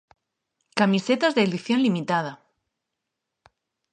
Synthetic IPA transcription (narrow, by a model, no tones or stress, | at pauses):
kamiset̪azðeðiθjo̞nlimit̪að̞a